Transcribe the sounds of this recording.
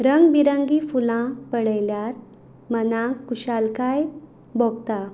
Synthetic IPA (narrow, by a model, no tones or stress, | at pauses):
ɾəŋɡbiɾəŋɡifulãpəɽəjljaɾ | mənãkːuɕalkaj | bɔɡ̚t̪a